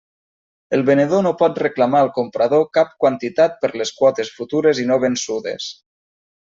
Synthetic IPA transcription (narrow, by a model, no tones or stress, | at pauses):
elˠβeneðonopɔt̪̚reklamaəlˠkompɾað̞okap̚kwant̪it̪at̪̚pəɾleskwɔt̪esfut̪uɾezinoβ̞ensuðḛs